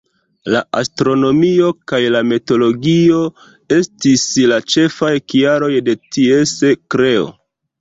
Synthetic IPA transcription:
laʔastɾo̞no̞mio̞kajlameto̞lo̞ɡio̞ | e̞stislat͡ʃe̞fajkiaɾo̞jde̞tie̞sekɾe̞o̰

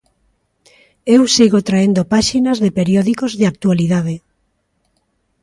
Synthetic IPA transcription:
ewsiɣot̪ɾaend̪opaʃinazðepeɾjɔðikozðeak̚t̪ualiðaðe

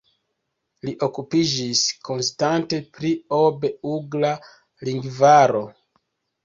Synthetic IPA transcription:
liʔo̞kupid͡ʒisko̞nstante̞pɾio̞be̞uɡla | liŋɡvaɾo̞

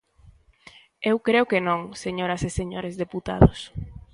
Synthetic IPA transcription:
ewkɾeʊkenõŋseɲoɾɐseseɲoɾezðeput̪a̰ðʊs

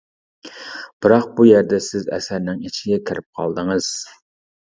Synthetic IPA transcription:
b̥ɨɾɑq̚bujɛɾd̪ɛsɪzɛ̰sæɾnɪŋit͡ʃʰɪɡʲɛkʲʰɪɾɪp̚qʰɑ̰lˠd̪ɨŋɨz̥

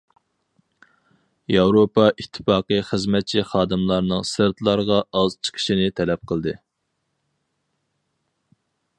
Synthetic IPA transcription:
jɑwɾopʰɑʔit̪ʰːɨ̥fɑːqɨχəzmɛt̪̚t͡ʃʰiχɑːd̪ɨmlˠɑɾnɨŋsɨɾt̪ʰlˠɑɾʁɑɑz̥t͡ʃʰə̥qʰə̥ʃinɪt̪ʰɛlɛp̚qʰəlˠd̪ɨ

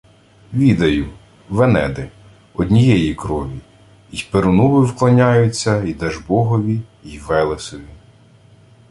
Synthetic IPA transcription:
ʋʲid̪ɐjʊ | ʋenɛd̪ɪ | ɔd̪ʲnʲijɛjikɾɔʋʲi | ipeɾʊnuʋɪwklˠɐnʲajʊt͡sʲːɐid̪ɛʒbɔɦɔʋʲiiʋɛlˠesɔʋʲi

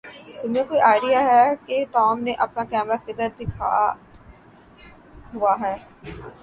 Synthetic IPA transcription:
t̪ɪmẽkoːiʔaːɪɾijaɦɛkeʈɔːmneʔɐpnakɛːmɾakɪd̪əɾd̪ɪkʰa̰ | ɦʊaɦɛː

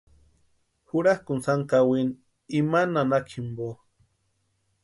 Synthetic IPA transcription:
huɾahkunsaŋkawin | imananakʰimbo

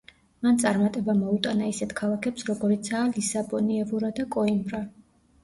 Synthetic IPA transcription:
mant̪sʼaɾmat̪ʼɛbamɔut̪ʼanaisɛt̪ʰkʰalˠakʰɛpsɾɔɡɔɾit̪sʰaːlisabɔniɛvuɾad̪akʼɔimbɾa

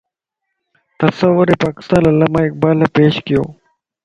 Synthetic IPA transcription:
t̪ɐsəʋːʊɾeːpaːkɪ̥st̪aːnɐlːaːmãːɪk̚baːlːaːpeːʃkɪjo̰ː

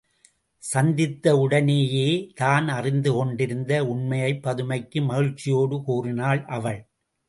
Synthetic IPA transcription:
sɐnd̪ɪt̪ːɐʊɽɐneːjeːt̪aːnɐrɪnd̪ɯkɔɳɖɪɾɯnd̪ɐʊɳmɐjɐɪpːɐðɯmɐɪkːɯmɐɣɪɻt͡ʃːɪjoːɽɯkuːrɪnaːlʔɐʋɐɭ

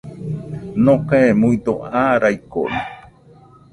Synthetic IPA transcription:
nõkaemuid̪oʔaɾajko̰ni

